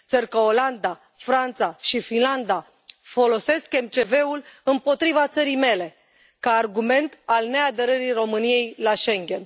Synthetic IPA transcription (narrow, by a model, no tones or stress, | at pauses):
t̪sərkəoland̪a | fɾant̪saʃifinland̪a | fo̞lo̞se̞ske̞mt͡ʃe̞ve̞ulɨmpo̞t̪ɾivat̪səɾijme̞le̞ | kaːrɡume̞nt̪alne̞ad̪əɾəɾiro̞mɨnije̞jlaʃe̞ŋɡʲe̞n